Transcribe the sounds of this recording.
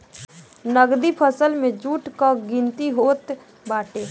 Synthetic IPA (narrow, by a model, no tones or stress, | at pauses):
nəɡd̪ipʰəsəlmẽd͡ʒuːʈkaɡĩnt̪iɦoːt̪ | baːʈeː